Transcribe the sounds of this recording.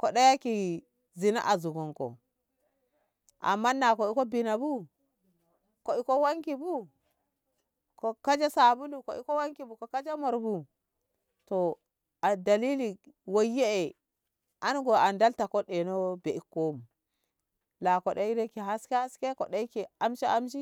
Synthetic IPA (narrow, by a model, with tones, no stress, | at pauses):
ko˨ɗa˦ja˦ki˨ | zi˨na̰˦ʔa˨zu˨ɡo˨ŋko̰˨ | ʔa̰˨mːa˦nːa˨ko˨i˦ko˦bi˨na˨bu˦ | ko˨i˦ko˦wa˦ŋki˨bu˦ | ko˨ka˦d͡ʒa˦sa˨bu˦lu˨ko˨ʔi˦ko˦wa˦ŋki˨bu˨ko˨ka˦d͡ʒa˦mo˨ɾbu˨ | to˨ | a˨da˨li˦li˨ | wo˨je˦e˨ | a˦nɡo˨a˨nda˦lta˨ko˦ɗe˨no˦be˨i˦kːo˦m˨ | la˨ko˨ɗe˦i˦ɾe˦ki˨ɦa˦ske˦ha˦ske˦ko˨ɗa˦i˦ki˨a˦mʃe˦a˦mʃ̬i˦